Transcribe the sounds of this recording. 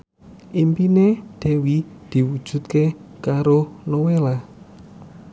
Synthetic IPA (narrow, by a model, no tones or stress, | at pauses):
ʔimpined̪̥e̤wid̪̥i̤wud̥ʒ̥ṳt̪kekaɾonowela